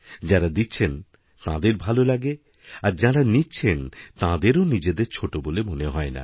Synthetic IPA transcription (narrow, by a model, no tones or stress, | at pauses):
d͡ʑaɾad̪itːɕʰen | t̪ã̰d̪eɾbʱalolaɡe | aɾd͡ʑaɾanitːɕʰent̪ãd̪eɾonid͡ʑed̪eɾt͡ɕʰoʈobolemoneɦɔena̰